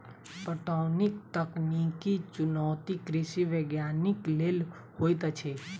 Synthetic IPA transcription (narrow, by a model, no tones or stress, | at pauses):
pəʈaːnɪk̚t̪əknikit͡ʃʊnɔːt̪ikɾɪsiʋeɡjaːnɪkleːl | hoːjt̪ət͡ʃʰe